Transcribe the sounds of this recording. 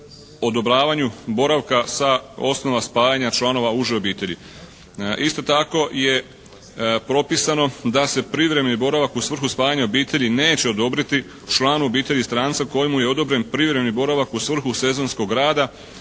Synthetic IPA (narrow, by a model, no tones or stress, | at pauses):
o̞d̪o̞bɾaːʋaɲubo̞ɾaʋkasao̞sno̞ʋaspaːjaɲat͡ʃlˠano̞ʋauʒio̞biːt̪e̞ʎi | ist̪o̞t̪ako̞je̞ | pɾo̞pisano̞d̪ase̞pɾiʋɾe̞mnibo̞ɾaʋakusʋr̩xuspaːjaɲao̞biːt̪e̞ʎine̞ːt͡ɕe̞o̞d̪o̞bɾit̪i | t͡ʃlˠaːno̞biːt̪e̞ʎist̪ɾaːnt̪sako̞jimujeo̞d̪o̞bɾe̞npɾiʋɾe̞mnibo̞ɾaʋakusʋr̩xuse̞zo̞nsko̞ɡɾaːd̪a